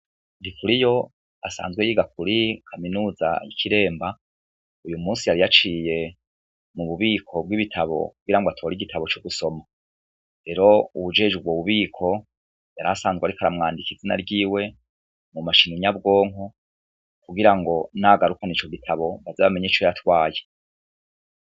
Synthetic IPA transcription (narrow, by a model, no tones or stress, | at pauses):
ndikʰuɾijo̞ | asa̰ːnzɡwe̞jiːɡakuɾikʰaminuːza̰jḭkʰiɾe̞ːmba | ujumuːnsijaɾijat͡ʃiːje̞ | muβuβiːkʰo̞b̚ɡiβitʰaβo̞̰kuɡiɾaŋɡatʰo̞ːɾiɡitʰaβo̞t͡ʃuɡuso̞ma | ɾe̞ɾo̞uβud͡ʒe̞ːd͡ʒɡubwoβuβiːkʰo̞ | jaɾasaːnzɡweaɾikaɾamŋaːndikizina̰ɾɟiːwe̞ | mumaʃiniɲabɡo̞ːŋ̥o | kuɡiɾaŋɡo̞naɡaɾukanit͡ʃo̞ɡitʰaβo̞βazeβame̞ɲet͡ʃojatwaːje